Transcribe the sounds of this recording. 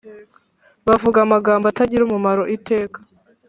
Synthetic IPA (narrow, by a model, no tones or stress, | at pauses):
βavuɡamaɡaːmbataɟiɾumumaɾo̞ʔite̞ːkḁ